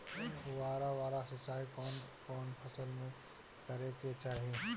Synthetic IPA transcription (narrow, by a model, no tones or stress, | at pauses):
waːɾaʋaːɾasɪsaːikɔːnkɔːnpʰɐsəlmẽ | kəɾeket͡ʃaːɦie